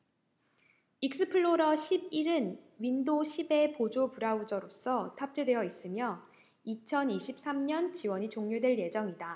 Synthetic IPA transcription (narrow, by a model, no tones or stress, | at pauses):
ik̚s͈ɯpʰɯɭːoɾʌɕʰib̚iɾɯnɥindoɕʰibe̞pod͡ʑopuɾaud͡ʑʌɾos͈ʌtʰap̚t͡ɕ͈edwe̞jʌis͈ɯmjʌ | it͡ɕʰʌniɕʰip̚s͈amɲʌnt͡ɕiwʌɲit͡ɕoŋɲodwe̞ɭje̞d͡ʑʌŋida